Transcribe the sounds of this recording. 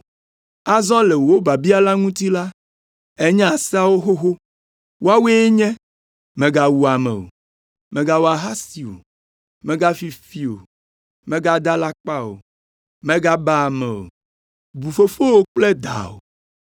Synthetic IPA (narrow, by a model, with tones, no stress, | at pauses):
a˦zɔ̃˦le˨wo˨o˦ba˨bi˦a˦la˦ŋũ˦t̪i˦la˦ | e˦ɲɛ̃˦a˨sɛ˦a˦wo˦xo˦xo˦ | wo˦a˦we˦e˦ɲɛ̃˦ | mɛ̃˨ɡa˨wu˨a˨mɛ̰˨o̰˨ | mẽ˨ɡa˦wo˦a˨ɦa˦si˨o̰˨ | mɛ̃˨ɡa˦fi˨fi˦o̰˨ | mɛ̃˦ɡa˦d̪a˦la˦k͡pa˦o̰˨ | mɛ̃˦ɡa˦ba˨mɛ̰˨o̰˨ | bu˨fo˦fo˦wo˦k͡ple˦d̪a̰˨o̰˨